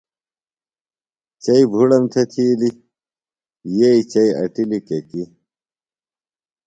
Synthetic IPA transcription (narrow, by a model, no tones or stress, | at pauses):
t͡ɕɐibʱuɽɐmt̪ʰɐt̪ʰiːli | jeit͡ɕɐiɐ̰ʈilikeki